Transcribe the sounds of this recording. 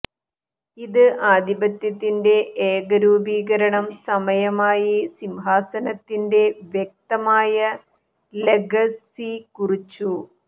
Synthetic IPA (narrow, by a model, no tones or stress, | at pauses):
iðɨʔaːd̪ibɐt̪jɐt̪ːinde̞eːɡɐɾuːbiːɣɐɾɐɳɐmsɐmɐjɐmaːjisimɦaːsɐnɐt̪ːinde̞ʋjek̚t̪ɐmaːjɐ | leɡʱɐsikurit͡ɕːu